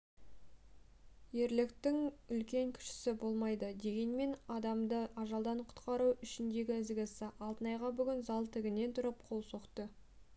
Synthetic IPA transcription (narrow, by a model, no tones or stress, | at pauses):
je̞ɾlɪkt̪ɪŋʏlkʲe̞ŋkʲʰʏ̥ʃɪ̥sɪbo̞lˠmɑjd̪əd̪e̞ɡʲe̞nme̞nɑd̪ɑmd̪əʔɑʒɑlˠd̪ɑɴqʰʊ̥t̪qɑɾuʏʃɪnd̪e̞ɡʲɪɪzɡʲɪsɪʔɑlˠt̪ənɑjʁɑbʏɡʲɪnzɑlˠt̪ʰɪɡʲɪne̞nt̪ʰʊɾəp̚qʰo̞lˠso̞qt̪ə